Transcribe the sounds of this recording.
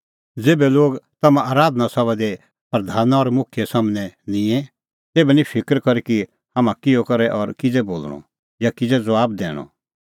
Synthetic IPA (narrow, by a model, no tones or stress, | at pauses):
d͡zeːbɛloːɡt̪ɐmãʔaːɾaːd̪ʱnasɐβad̪e | pɾɐd̪ʱaːnaɔɾmʊkʰɪjɛsaːmnɛnɪ̃ɛ̃ | t̪eːbɛnĩpʰɪkəɾkɐɾiki | ɦaːmãkɪjokɐɾɛʔɔɾkɪd͡zɛboːlɽɔ̰ | jakɪd͡zɛd͡zɐʋaːb̚d̪ɛ̰ːɽ̃ɔ̰